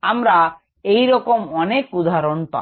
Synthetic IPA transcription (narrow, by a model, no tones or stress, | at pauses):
amɾa | ejɾɔkɔmɔnekud̪ʱaɾonpã̰